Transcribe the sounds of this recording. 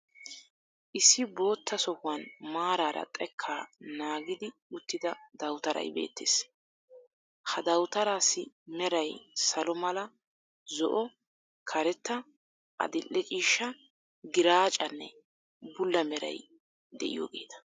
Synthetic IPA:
ʔɪsːɪbo̞ːt̪ːɐsɔhʊwɐnmaːɾaːɾɐ̰t̪ʼɛkʰːaːnaːɡɪd̪ɪʊt̪ːɪd̪ɐd̪ɐwt̪ɐɾɐ̰jbe̞̰ːt̪ːḛːs | hɐd̪ɐwt̪ɐɾaːsːɪ | mɛɾɐjsɐlɔmɐlɐ | zɔʔɔ | kʰɐɾɛt̪ːɐ | ʔɐ̰d̪ɪlːɛt͡ʃʼiːʃːɐ | ɡɪɾaːt͡ʃʼɐnːɛ̰ | bʊlːɐmɛɾɐ̰j | d̪ɛ̰ʔɪ̰jo̰ːɡe̞̰ːt̪ɐ̥

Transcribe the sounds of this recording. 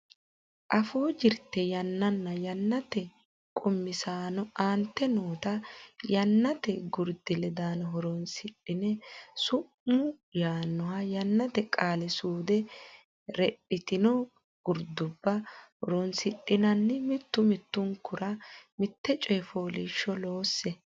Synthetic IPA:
ʔɐfoːd͡ʒɪɾt̪ːɛjɐnːɐnːɐjɐnːɐt̪ɛ | kʼʊmːɪsaːnɔaːnt̪ːɛnoːt̪ɐjɐnːɐt̪ɛɡʊɾd̪ɪlɛd̪aːnɔɦɔɾɔnsɪᶑɪnɛsʊʔmʊ | jaːnːɔhɐjɐnːɐt̪ɛkʼaːlɛsuːd̪ɛ | ɾɛpʼːɪt̪ɪnɔ | ɡ̥ʊɾd̪ʊbːɐhɔɾɔnsɪᶑɪnɐnːɪmɪt̪ːʊmɪt̪ːʊŋkʊɾɐmɪt̪ːɛt͡ʃʼɔjfoːliːʃːɔlo̞ːsːɛ

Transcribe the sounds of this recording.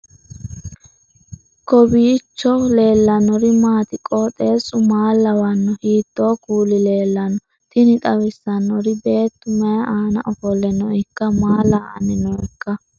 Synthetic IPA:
kɔbiːt͡ʃːɔle̞ːlːɐnɔɾɪmaːt̪ɪkʼɔt̪ʼe̞ːsʊmaːlːɐwɐnːɔhiːt̪ːoːkuːlɪle̞ːlːɐnɔ | t̪ɪnɪt̪ʼɐwɪsːɐnːɔɾɪbe̞ːt̪ːʊmɐjɐaːnɐ̰ʔɔfɔlːɛnɔɪkːɐmaːlaːʔɐ̰nɪnɔɪkːɐ

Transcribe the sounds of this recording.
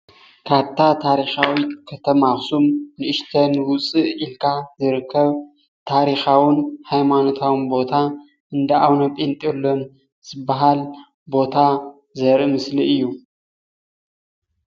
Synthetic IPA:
kʰaβt̪ʰat̪ʰaɾixawikʰɐt̪ʰɐmaxsumnɨɨʃt̪ʰɐnwʊt͡sʼɨʔilkʰazɨɾɨkʰːɐβ | t̪ʰaɾixawʊnhajmano̞t̪ʰawnbo̞t̪ʰa | ʔɨnd̪ɐʔawnɐpʼint̪ʼelːom | zɨbːaɦal | bo̞t̪ʰa | zɐɾɨmɨsliʔɨjːu

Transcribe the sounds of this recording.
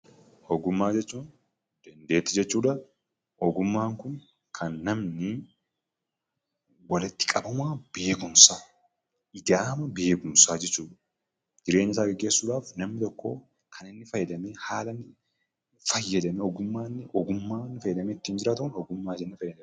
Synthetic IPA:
hɔɡʊmːaːd͡ʒɛt͡ʃːuːn | d̪̥ɐnd̪e̞ːt̪ːɪd͡ʒɛt͡ʃːuːᶑɐ | ɔɡʊmːaːŋkʊn | kʰɐnːɐmnɪ | wɐlɪt̪ːɪ̥kʼɐbɐmaːb̥e̞ːkʊmsaː | ɪd̪aːmɐbe̞ːkʊmsaːd͡ʒɛt͡ʃːuːᶑɐ̥ | d͡ʒ̪ɪɾe̞ːɲːɪsaːɡɛɡːe̞ːsːuːᶑ̪aːfnɐmnɪt̪ɔkːo̰ː | kʰɐnɪnːɪfɐjːɐd̪ɐmeːhaːlɐnːɪ | fɐjːɐd̪ɐmɛɔɡʊmːaːnːɪʔɔɡʊmːaːnːɪfɐjːɛd̪ɐmeɪt̪ːiːnd͡ʒɪɾaːt̪ʊʊnɔɡʊmːaːd͡ʒɛnːɛfɐjːɐd̪ɐm

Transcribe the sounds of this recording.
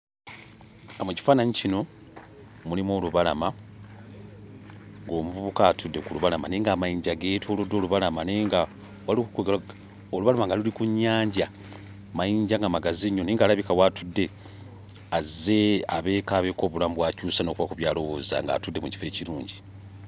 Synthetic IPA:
amuci̥faːnaɲicino̞ | mulimwo̞ːluβalama | ŋɡo̞ːmuvuβukaːtʰudːe̞kuluβalamaneːŋɡamajiːɲɟaɡeːtʰo̞ːlodːo̞ːluβalamaneŋɡa | walikukoɡ | oluβalamaŋɡalulikuɲːaːɲɟa | majiːɲɟaŋɡamaɡaziɲːoniːŋɡaːlaβikawatudːe̞ | azːe̞aβe̞ːkaβe̞ːko̞ːβulamubwaːcuːsano̞ːkuβakuβjaːlo̞wo̞ːza̰ŋɡa̰tudːe̞muci̥fe̞ːciɾuːɲɟi

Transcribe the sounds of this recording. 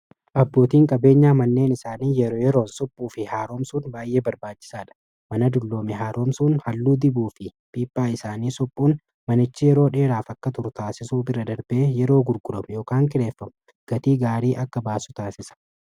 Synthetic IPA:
ʔɐbːo̞ːt̪iːŋkʼɐbe̞ːɲːaːmɐnːe̞ːnɪsaːniːjɛɾoːjɛɾo̞ːnsɔpʼːuːfɪhaːɾoːmsuːnbaːjʔe̞ːbɐɾbaːt͡ʃːɪ̥saːᶑɐ̥ | mɐnɐd̪ʊlːo̞ːmɛɦaːɾoːmsuːnhɐlːuːd̪ɪbuːfɪpiːpʼːaːɪsaːniːsɔpʼːuːn | mɐnɪt͡ʃːɪjɛɾo̞ːᶑe̞ːɾaːfɐkːɐt̪ʊɾʊt̪aːsɪsuːbɪrɐd̪ɐɾbeːjɛɾo̞ːɡʊɾɡʊdɐmjo̞ːkaːŋkɪɾe̞ːfːɐmʊ | ɡ̥ɐt̪iːɡaːɾiːʔɐkːɐbaːsʊ̥t̪aːsɪsɐ̥

